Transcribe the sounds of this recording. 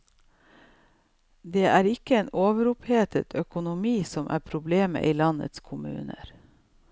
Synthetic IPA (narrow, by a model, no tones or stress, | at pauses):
d̪eːʔæːɾɪkəeːnoːʋəɾʊpheːt̪ʰə̰t̪ʰœkʊnʊmiːsɔmʔæ̰ːpʰɾʊbleːmə̰ʔiːlɑnə̰t̪skʰʊmʉ̰ːnə̰ɾ